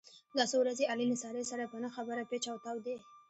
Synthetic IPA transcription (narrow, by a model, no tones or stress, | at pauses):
d̪ɑsowɾazeɑlilasɑɾesaɾapənaxabəɾapet͡ʃawt̪awd̪e